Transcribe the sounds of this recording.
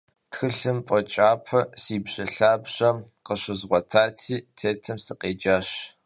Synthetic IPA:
txɨɬɨmpʼɔt͡ʃʼaːpʰɐsiːbɕɐɬaːbɕɐ | qəɕɨzʁʷɔtʰaːtʰiːtʰeːtʰɐmsɨqeːd͡ʒaːɕ

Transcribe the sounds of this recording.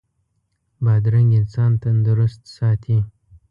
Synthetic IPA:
bɑd̪ɾaŋɡʲɪnsɑnt̪and̪ʊɾʊst̪sɑt̪ʰi

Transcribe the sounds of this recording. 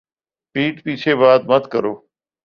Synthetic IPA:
ʈiːʈpiːt͡ʃʰeːβaːd̪̚mət̪kəɾoː

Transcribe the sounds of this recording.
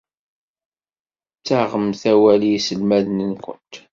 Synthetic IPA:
t͡sːaʁəmθæwæliisəlmæðnənkʷʊ̰nt̪

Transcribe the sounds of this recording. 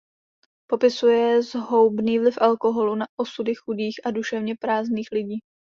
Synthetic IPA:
po̞pɪsujɛzɦo̞wbniːvlɪfʔalko̞ɦo̞lunaʔosudɪxudiːxʔaduʃɛvɲɛpɾaːzniːxlɪɟiː

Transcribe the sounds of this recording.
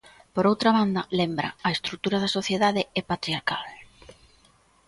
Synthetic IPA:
poɾowt̪ɾaβand̪ɐlembɾɐ̰ːest̪ɾut̪uɾɐðɐsoθjeðaðɪɛpat̪ɾiaɾkal

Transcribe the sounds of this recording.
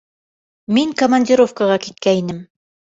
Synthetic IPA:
miŋkəmanʲdʲɪɾo̞fkəʁɑkit̪̚kæinɘm

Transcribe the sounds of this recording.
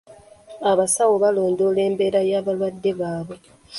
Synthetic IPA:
aβasawoβaloːndoːle̞ːmbe̞ɾajaːβalwadːe̞βaːβwe̞

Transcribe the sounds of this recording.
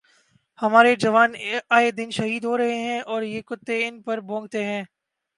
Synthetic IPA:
hɐmaːɾed͡ʒɐʋaːnaːed̪ɪnʃɐɦiːd̪ɦoːɾɐɦeɦɛ̃ːʔɔːɾjeːkʊt̪ːeɪnpɐɾbõːŋɡ̚t̪eɦɛ̃ː

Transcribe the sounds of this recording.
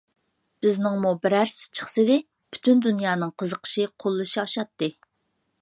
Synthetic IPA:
b̥ɪznɪŋmubɪɾæɾst͡ʃʰə̥χsɨd̪ɪ | pʰy̥t̪ʰynd̪unjɑːnɨŋqʰəzəqʰə̥ʃɨqʰolˠːɨʃiɑʃɑt̪ːɨ

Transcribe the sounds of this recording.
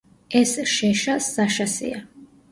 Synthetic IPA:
ɛsʃɛʃasːaʃasḭa

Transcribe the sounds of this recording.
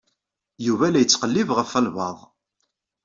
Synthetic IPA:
juvælæjət͡sːqəlːivʁəfælvɑ̰ðˤ

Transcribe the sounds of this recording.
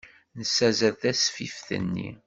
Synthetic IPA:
nəsːæzæðθæsfifθə̰nːḭ

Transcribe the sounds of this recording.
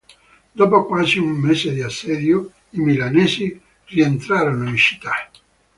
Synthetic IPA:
d̪ɔːpokwaːziumːeːzed̪iasːɛd̪jo | imilaneːzi | rient̪ɾaːɾonolit͡ʃi̥t̪ːa

